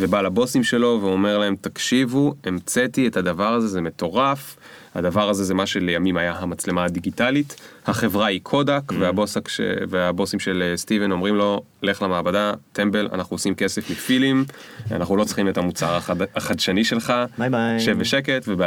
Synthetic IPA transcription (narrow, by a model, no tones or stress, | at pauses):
vebalabo̞simʃe̞lo̞veo̞me̞ʁlae̞mtakʃivuemt͡setiethadavaʁaze̞ze̞me̞to̞ʁaf | ha̰d̪avaʁazezemaʃe̞le̞jamimajaɦamat͡sle̞madiɡitalithaχe̞vʁaikʰo̞dakveabo̞sakʃḛveabo̞simʃelstive̞no̞mʁimlo̞ | le̞χlamaːbadate̞mbe̞lʔa̰naχuosimke̞se̞flefilim | a̰naχulo̞t͡sχime̞tamut͡saʁaaχadʃaniʃe̞lχaʃeveʃeke̞tveb